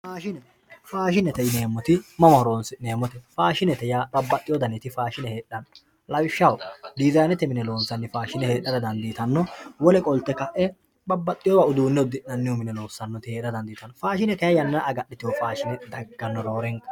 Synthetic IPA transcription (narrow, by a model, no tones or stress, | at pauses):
faːʃɪnɛ | faːʃɪnɛt̪ɛjne̞ːmːɔt̪ɪmɐmɐhɔɾoːnsneːmːɔt̪ɛfaːʃɪnɛt̪ɛjaːbɐbːɐt̪ʼːɪjɔd̪ɐnɛt̪ɪfaːʃɪnɛheːɗːɐnɔ | lɐwɪʃːɐwd̪ɪzɐjnɛt̪ɛmɪnɛloːnsɐnːɪfaːʃɪnɛhe̞ːɗːɐd̪ɐd̪ɐnd̪iːt̪ɐnːɔwɔlɛkʼɔlt̪ːɛkɐʔɛ | bɐbːɐt̪ʼːɪjɔːwaʊd̪uːnːɛʊd̪ɪnɐnːɪʊmɪnɛlo̞ːsːɐnːɔt̪ɪeːᶑ̪ɐd̪ɐnd̪iːt̪ɐnːɔfaːʃɪnɛkɐjɐjɐnːɐʔɐɡɐɗːɪt̪ɪjɔfaːʃɪnɛd̪ɐɡːɐnːɔɾo̞ːɾɛŋkɐ